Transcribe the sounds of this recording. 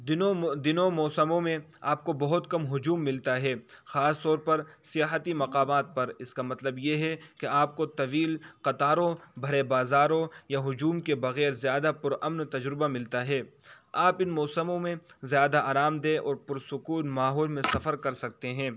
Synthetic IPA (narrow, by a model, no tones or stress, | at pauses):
ɪod̪ɪnõmɔːsəmõmẽ | a̰ːp̚kobɐɦʊt̪kɐmɦʊd͡ʒuːmːɪlt̪aɦɛːxaːst̪ɔːɾpɐɾsɪjaːɦət̪imɐqaːmaːt̪̚pɐɾɪskamɐt̪ləbjeɦɛkeaːp̚kot̪ɐʋiːlqɐt̪aːɾõbʱɐɾebaːzaːɾõjaɦʊd͡ʒuːmkebɐɣɛːɾzjaːd̪apʊɾɐmnt̪ɐd͡ʒɾɪbamɪlt̪aɦɛː | aːpɪnmɔːsəmõmẽzjaːd̪aʔaːɾaːmd̪eʔɔːɾpʊɾsʊkuːnmaːɦɔːlmẽsɐfəɾkɐɾsɐk̚t̪eɦɛ̃ː